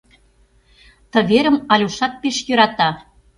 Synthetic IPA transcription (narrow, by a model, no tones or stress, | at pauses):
t̪ə̆βeɾə̆mɑlʲuʃɑt̪̚peʃjø̆ɾɑt̪ɑ